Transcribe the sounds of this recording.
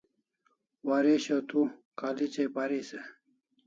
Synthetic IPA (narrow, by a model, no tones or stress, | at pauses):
waɾeɕɐt̪ukalit͡ɕepaɾise